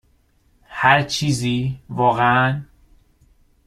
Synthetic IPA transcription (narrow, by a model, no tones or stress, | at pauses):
hæɾt͡ʃʰiːziːvɒːɣeæn